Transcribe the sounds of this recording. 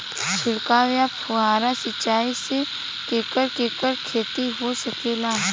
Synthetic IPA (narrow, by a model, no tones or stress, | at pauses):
t͡ʃʰʊɽkaːʋjapʰʊɦaːɾasɪt͡ʃːaːise | keːkəɾkeːkəɾkʰeːt̪iɦosɐkeːlaː